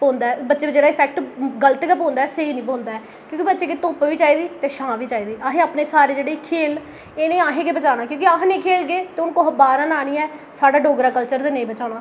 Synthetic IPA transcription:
põːnd̪aːɛːbətːʃeːbət͡ʃeːd̪aɪpʰɛːk̚ʈɡələt̪ːkaːpõːnd̪aːɛːseiːnĩːpõːnd̪aːɛː | kjõːkibət̪ːʃeːkeːt̪oːpʋiːt͡ʃaːiːd̪iːt̪eːʃãːʋiːt͡ʃaːiːd̪iːʔaːɦẽːaːpneːsaːɾeːd͡ʒeːɽeːkʰeːl | eːnẽːãːɦẽːkeːbət͡ʃaːnaːkjõːkɪaːɦnĩːkʰeːlɡeːt̪eːʊnkoːɦəbaːɾãːnaːniːɛː | saːɖaːɖoːɡɾaːkəlt͡ʃəɾd̪eːnəĩːbət͡ʃaːnaː

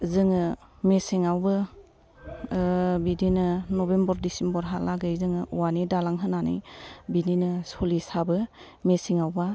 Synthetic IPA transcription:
zɯŋɯmesiŋawbɯ | bidinɯnɔbembɔɾdisimbɔɾɦalaɡɯjzɯŋɯʔuwanidalaŋɦɯnanḭjbidinɯsɔlisabɯ | mesiŋawba

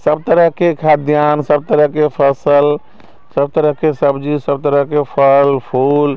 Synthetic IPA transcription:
səb̚t̪əɾəɦkekʰad̪jansəb̚t̪əɾəɦkepʰəsəl | səb̚t̪əɾəɦkesəbd͡ʒisəbt̪əɾəɦkepʰəlpʰul

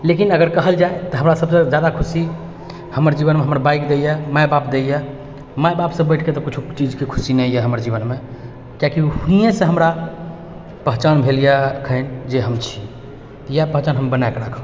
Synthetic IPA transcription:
lekinəɡəɾkəɦəld͡ʒaet̪ɔɦəmɾasəbsẽd͡ʒjad̪akʰusi | həməɾd͡ʒiβənmeɦəmɾbajkd̪ejemaebapd̪eje | maebapsə̃bːəɪʈʰket̪ɔkit͡ʃʰut͡ʃid͡ʒkekʰu̥sinɛjɛɦəməɾd͡ʒibənme | kjakiuijẽsẽɦəmɾa | pəɦt͡ʃanbʱelijakʰənd͡ʒeɦəmt͡ʃʰi | japəɦt͡ʃanɦəmbənaekeɾakʰə

